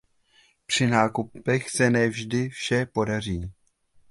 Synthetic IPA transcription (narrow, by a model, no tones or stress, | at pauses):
pr̝̥ɪnaːkupɛxsɛnɛvʒdɪfʃɛpo̞dar̝iː